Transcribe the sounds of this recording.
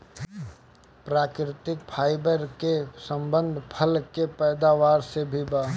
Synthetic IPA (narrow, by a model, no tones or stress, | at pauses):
pɾaːkɾɪt̪ɪkpʰaːɪbəɾkesə̃mbə̃nd̪ʱpʰəlkepɛːd̪aːʋaːɾsebʱibaː